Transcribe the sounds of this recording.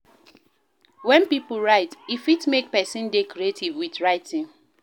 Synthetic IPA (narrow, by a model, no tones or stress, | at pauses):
wɛ̃npipl̩ɹaɪtifitmek̚pɛsɪ̃ndekɔɾietʰivwitɹaɪtĩn